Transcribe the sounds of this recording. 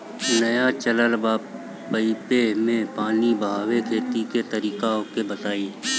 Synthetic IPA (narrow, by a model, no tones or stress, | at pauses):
nəjat͡ʃələlbaː | əipemẽpaːnibəɦaːwekʰeːt̪iket̪əɾiːkaokebət̪aːi